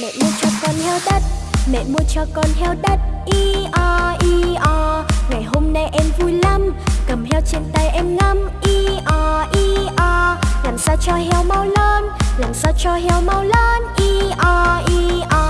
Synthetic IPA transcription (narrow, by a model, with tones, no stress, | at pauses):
mɛ̰˧˨mu˧ət͡ɕɔ˧kɔ˧nhɛ˧wɗə˦˥t̚mɛ̰˧˨mu˧ət͡ɕɔ˧kɔ˧nɦɛ˧wɗə˦˥t̚ʔi˧ʔɔ˧ʔi˧ʔɔ˧ŋa˨˩jɦo˧mna˧jʔɛ˧mvu˧jla˧mkə˨˩mɦɛ˧wt͡ɕe˧nt̪a˧jʔɛ˧mŋə˧mʔi˧ʔɔ˧ʔi˧ʔɔ˧laː˨˩msaː˧wt͡ɕɔ˧ɦɛ˧wma˧wləː˧nlaː˨˩msaː˧wt͡ɕɔ˧ɦɛ˧wma˧wləː˧nʔi˧ʔɔ˧ʔi˧ʔɔ˧